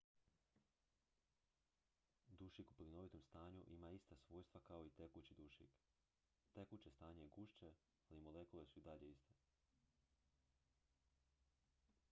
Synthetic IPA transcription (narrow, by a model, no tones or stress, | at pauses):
d̪uʃikuplino̞ʋit̪omst̪aːɲuʔimaist̪asʋo̞ːjst̪ʋakao̞it̪e̞kut͡ɕid̪uʃḭk | t̪e̞kut͡ɕest̪aːɲejeɡuʃt͡ɕe | alimolekulesuid̪aʎeist̪e